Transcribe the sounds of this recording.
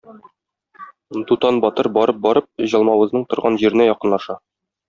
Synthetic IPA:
d̪ut̪ɑnbɒt̪ɤɾbɒɾɤp̚bɒɾɤp̚ʑɒlˠmɑwɤ̆znɤɴt̪ŏɾʁɑnʑiɾɘ̆næjɒqɤ̆nlˠɑʃɑ

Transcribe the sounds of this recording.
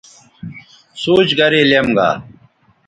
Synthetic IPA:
suːt͡ɕɡɐɾiːlemɡa̰ː

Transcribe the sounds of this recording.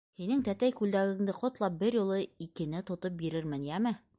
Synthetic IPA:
hinɘŋt̪æt̪æjkʉld̪æɡɘ̆ŋd̪ɘqŏt̪lˠɑp̚bɘɾjŭlˠɤikɘ̆nɘt̪ŏt̪op̚biɾɘɾmɘnjæmɘ

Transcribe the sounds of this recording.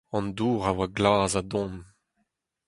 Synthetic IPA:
ɑ̃nduːʁawaɡlaːzadɔ̃m

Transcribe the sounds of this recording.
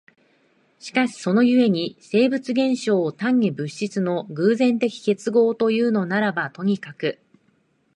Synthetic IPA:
ɕi̥kaɕi̥so̞no̞jɯ̟e̞ɲ̟ise̞ːbɯ̟t͡sɨɡẽ̞ɰ̃ɕo̞ːt̪ãɲ̟ːibɯ̟ɕit͡sɨno̞ɡɯ̟ːzẽ̞nt̪e̞kʲi̥ke̞t͡sɨɡo̞ːt̪o̞jɯ̟ːno̞naɾabat̪o̞ɲ̟ikakɯ̟

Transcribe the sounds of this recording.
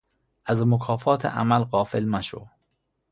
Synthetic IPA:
ʔæzmokʰɒːfɒːt̪ʰḛʔæ̰mælɢɒːfelmæʃo̰

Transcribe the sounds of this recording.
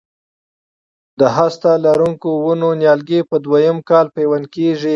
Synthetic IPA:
d̪əɦast̪alaɾuŋkowunonjɑlɡepəd̪wajəmkɑlpewankeʐi

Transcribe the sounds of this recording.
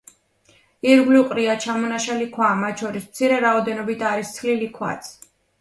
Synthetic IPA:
iɾɡliqʼɾiat͡ʃʰamɔnaʃalikʰwamat̪̚t͡ʃʰɔɾismt̪sʰiɾɛɾaɔd̪ɛnɔbit̪ʰaɾist̪sʰχlilikʰwa̰t̪sʰ

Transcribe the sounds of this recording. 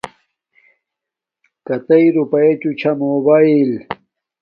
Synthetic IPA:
kɐt̪ɐiɾupɐet͡ɕut͡ɕʰɐmoːbail

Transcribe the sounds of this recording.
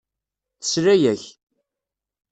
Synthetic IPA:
θə̥sɾæjæç

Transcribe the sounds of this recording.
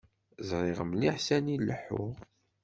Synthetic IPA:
zɾˤiʁəmliħsænilːəħːʊ̰ʁ

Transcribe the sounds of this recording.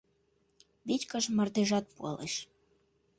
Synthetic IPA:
βitʲkəʃmərd̪eʒɑt̪̚puɑ̰lḛʃ

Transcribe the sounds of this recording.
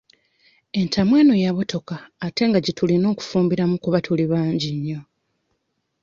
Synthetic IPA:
e̞ntʰamwe̞ːnojaβo̞to̞kaːte̞ŋɡaɟitulino̞ːku̥fuːmbiɾamukuβatʰuliβaːɲɟiɲːo̞

